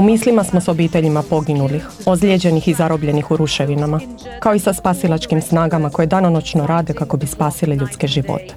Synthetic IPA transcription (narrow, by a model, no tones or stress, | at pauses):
umiːslimasmoso̞biːt̪e̞ʎimapo̞ɡinulix | o̞zʎjed͡ʑe̞nixizaɾo̞bʎe̞nixuɾuʃeʋinama | kaoisaspaːsilat͡ʃkimsnaːɡamako̞je̞d̪anonot͡ʃno̞ɾaːd̪e̞kako̞bispaːsileʎut̪skeʒiʋo̰t̪e̥